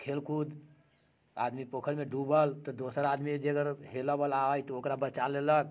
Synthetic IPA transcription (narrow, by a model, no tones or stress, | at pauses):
kʰelkud̪ | a̰d̪mipokʰəɾmeɖubəlt̪ɔd̪osəɾad̪mid͡ʒeəɡəɾɦeləbəlaəjt̪ɔokɾabət͡ʃalelək̚